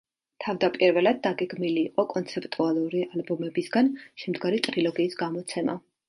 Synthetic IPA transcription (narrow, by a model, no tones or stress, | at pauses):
t̪ʰavd̪apʼiɾvɛlad̪̚ːaɡɛɡmiliːqʼɔkʼɔnt̪sʰɛpʼt̪ʼualˠuɾialbɔmɛbisɡanʃɛmd̪ɡaɾit̪ʼɾilɔɡiːsɡamɔt̪sʰɛma̰